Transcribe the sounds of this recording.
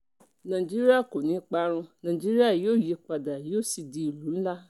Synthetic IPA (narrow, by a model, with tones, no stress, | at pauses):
nã˨i˨d͡ʒi˦ɾi˦a˦˨ko˨nĩ˨˦k͡pa˦ɾ̃ũ˧nã˨i˨d͡ʒi˦ɾi˦a˦˨jo˦˨je˧˦k͡pa˨da˨jo˦˨si˨di˧i˨lu˨˦n̩˦la˦